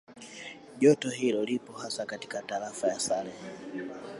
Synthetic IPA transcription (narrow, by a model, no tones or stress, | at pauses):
ʄɔtɔɦilɔlipɔhasakati̥kataɾafajasalɛ